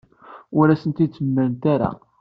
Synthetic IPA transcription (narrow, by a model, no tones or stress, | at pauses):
ʊɾæsənt̪id̪t͡sːəmːəɾnt̪aɾa̰